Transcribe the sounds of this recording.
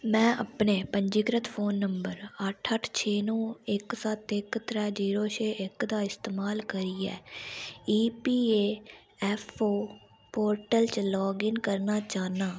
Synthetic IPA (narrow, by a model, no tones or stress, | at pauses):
mɛ̃ːʔə̰pneːpəɲd͡ʒɪɡɾət̪pʰoːnːəmbəɾəʈʰəʈʰt͡ʃʰeːnõːɪksət̪ɪkt̪ɾɛːd͡ʒiːɾoːʃeːʔɪkd̪aːɪst̪eːmaːlkəɾiːɛ̰ː | iːpiːeː | ɛːpʰoː | poːɾʈəlt͡ʃlɔːɡɪnkəɾnaːt͡ʃaːnaː